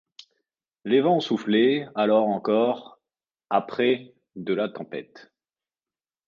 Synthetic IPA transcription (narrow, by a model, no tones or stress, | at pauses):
levɑ̃suflealɔʁɑ̃kɔʁ | apχɛ | d̪əlat̪ɑ̃pɛ̰t̪